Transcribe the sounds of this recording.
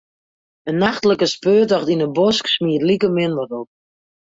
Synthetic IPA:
ənːaxtləkəspøːtɔxtinəbɔsksmiətlikəmɪndərop̚

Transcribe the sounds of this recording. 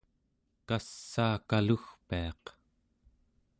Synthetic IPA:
kasːaːkaluxpiɑq

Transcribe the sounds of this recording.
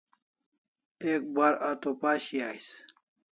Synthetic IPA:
ek̚baɾat̪opaːɕijaːis

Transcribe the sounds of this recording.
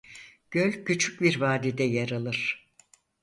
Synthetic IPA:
ɟ̥ølʲcʰyt͡ʃʰy̥c̚biɾvaːd̪id̪ɛjaɾalˠɯɾ̥

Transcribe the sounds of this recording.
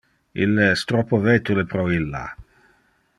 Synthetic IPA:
ḭlːeɛst̪ɾɔpːovet̪ulepɾɔilːa̰

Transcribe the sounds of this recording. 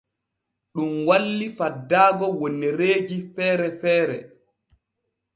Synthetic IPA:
ɗumwalːifadːaːɡɔwonːeɾeːd͡ʒifɛːɾɛfɛːɾɛ

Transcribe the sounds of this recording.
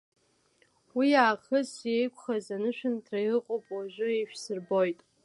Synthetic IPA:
wijaːχəzjejkʷʰʼχazanɨʃᶣɨntʰrajrɨqʼopʼwaʒʷʊeʃᶣsɨrbo̞jtʼ

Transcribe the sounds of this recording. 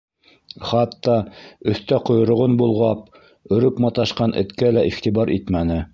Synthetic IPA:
χɑt̪ːɑɵ̆θt̪æqŏjŏɾŏʁonbulˠʁɑp̚ | ɵ̆ɾɵpmɑt̪ɑʃqɑnʔɘ̰̆t̪kælæʔiχt̪ibɑɾʔit̪mænɘ

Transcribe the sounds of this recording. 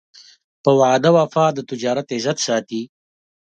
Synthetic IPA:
pəwaːd̪awafɑːd̪ət̪ɪd͡ʒɑːɾat̪ɪzat̪sɑːt̪i

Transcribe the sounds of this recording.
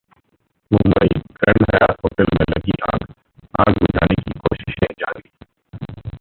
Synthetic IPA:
mʊmbəiːkəɳɖɦɐjaːt̪ɦoːʈəlmẽlɐɡiʔãːk | ãːkbʊd͡ʒʱaːnekikoːʃɪ̥ʃẽd͡ʒaːɾiː

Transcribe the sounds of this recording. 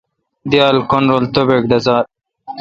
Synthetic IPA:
d̪ijɑːlkonɾolt̪obekd̪ɐzɑːɾ

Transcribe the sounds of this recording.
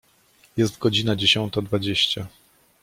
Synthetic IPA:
jɛst̪ɡɔd͡ʑinad͡ʑeɕɔnt̪ad̪vad͡ʑeɕt͡ɕa

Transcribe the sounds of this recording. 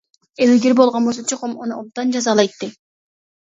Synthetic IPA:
elyɡʲeɾbo̞lˠʁonbosot͡ʃʰoqomonuʔob̚t̪ɑnd͡ʒɑzɑlˠɑjt̪ːɨ

